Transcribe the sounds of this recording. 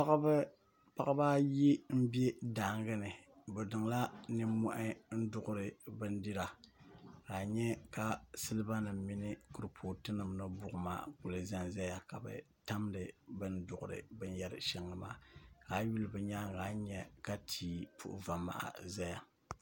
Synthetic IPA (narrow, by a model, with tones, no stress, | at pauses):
pa˦ɣ | pa˦a˦ba˦ji˦m̩˦be˦daː˨ŋ˦ɡɨ˦nɨ˨bɛ˨dɨ˨ŋla˦nɨ˦mu˦ʔɪ˦n̩˦dʊ˦ɣʊ˦ɾɨ˨bɨ˦n˦di˦ɾa˨ | ka˨ɲɛ˦ka˦sɨ˦lɨ˦ba˦nɨ˨m˦mi˦nɨ˦ku˨ɾɨ˨pʰoː˨tɨ˦nɨ˨mnɨ˦bʊ˦ʔʊ˨ma̰ː˦˨kʊ˨lɨ˨za˦nza˦ja˨ka˨bɨ̰˨ta˦mdɨ˨bɨ˦n˦dʊ˨ɣʊ̰˨ɾɨ̰˨bɨ˦n˦jɛ˦ɾɨ˦ʃɛ˦ŋlɨ˦ma̰ː˦˨ka˨˦ɥi˦lɨ˦bɛ˨ɲa˦ŋɡaː˦ɲɛ˦ka˦tʰiː˨pʰṵ˦ʔʊ̰˦˨va˨ma̰˨ʔa̰˨za˦ja˨